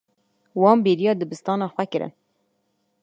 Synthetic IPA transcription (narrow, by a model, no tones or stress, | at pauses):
wɑːmbeːɾijɑːd̪ɨbɨst̪ɑːnɑːxʷɛkɨɾɨ̰n